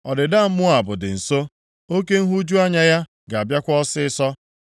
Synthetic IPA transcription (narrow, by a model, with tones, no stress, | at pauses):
ɔ˨dɪ˨da˦˨m̩˦mʊ˦a˨bʊ˨dɪ̰˨n̩˨so˦ | o˦ke˦n̩˦ɦu˦d͡ʒu˦a˦ɲa˦ja˦ | ɡa˨a˨bja˦kʷɔ˦sɪ˦ɪ˦sɔ˦